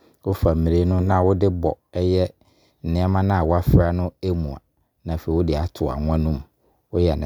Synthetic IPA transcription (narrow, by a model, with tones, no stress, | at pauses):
wʊ˦fa˨m̩˨mĩ˨ɾe˦nʊ̃˦nã˦˨wʊ˦dɪ˦bɔ̰˨ɛ˦jɛ˦ | n̩˨nɪ̃˦ɛ˦mã˦nã˦a˨wʊ˦a˦fɾa˦nʊ̃˦e˦mũ˨a̰˨ | nã˨fe˨i˨wʊ˦dɪ˨a˨tʰʊ˨a̰˨ŋʷ˦ã˦nũ˦m | wʊ˦jɛ˨ñ̰˨